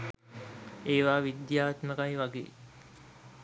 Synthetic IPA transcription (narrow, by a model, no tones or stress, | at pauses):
eːʋaːʋid̪jaːt̪məkajʋaɡḛː